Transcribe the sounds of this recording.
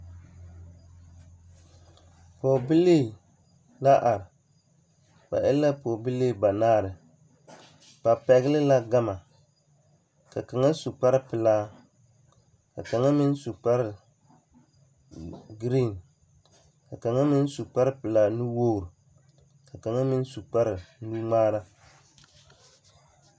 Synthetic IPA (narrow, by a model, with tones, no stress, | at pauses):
pɔ˨bi˦leː˦˨ | la˦ʔa˨ɾɪ˨ | b̥a̰˨ʔɛ˦lːa˦pɔː˨bi˦leː˦˨ba˨naː˦˨ɾɪ˨ | b̥a˨pɛ˨ɡɪ˦lɪ˦la˦ɡa˦ma˨ | ka˨ka˨ŋa˦su˨k͡pa˦ɾɪ˦pɪ˨laː˦ | ka̰˨ka˨ŋa˦mɪ˦n˦su˨k͡pa˦ɾɪ˨ | ɡɾi˦˨n | ka˨ka˨ŋa˦mɪ˦n˦su˨k͡pa˦ɾɨ˦pɪ˨laː˦nu˦wo˦˨ɾ | ka˨ka˨ŋa˦mɪ˦n˦su˨k͡pa˦ɾɪ˨nu˦ŋ͡maː˦ɾa˦